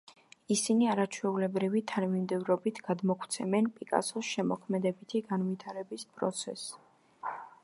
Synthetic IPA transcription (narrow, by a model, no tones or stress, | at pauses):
isiniaɾat͡ʃʰwɛulɛbɾivit̪ʰanmimd̪ɛvɾɔbit̪ʰɡ̥ad̪mɔkʰwt̪sʰɛmɛnpʼikʼa̰sɔsʃɛmɔkʰmɛd̪ɛbit̪ʰiɡanvit̪ʰaɾɛbispʼɾɔ̰t̪sʰɛ̰s